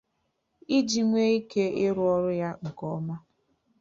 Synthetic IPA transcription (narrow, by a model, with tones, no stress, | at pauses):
i˦d͡ʒi˨ŋʷe˦i˦ke˦ɪ˦ɾʊ˦ɔ˦ɾʊ˦ja˦ŋ̩˨kɔ˦ma˦